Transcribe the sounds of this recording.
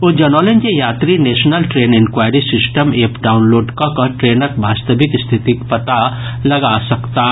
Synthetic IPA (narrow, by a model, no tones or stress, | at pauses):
od͡ʒənolend͡ʒejat̪ɾinesnəlʈɾeːnenkwajɾisisʈəmepɖaunloːɖkəkəʈɾenəkbʱast̪əbikst̪ʰit̪ikpət̪a | ləɡasəkt̪a